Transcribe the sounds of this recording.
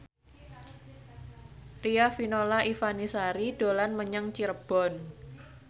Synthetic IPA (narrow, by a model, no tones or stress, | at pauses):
riafinolaʔifanisaɾid̥olanməɲaŋt͡ʃiɾəb̥ɔ̤n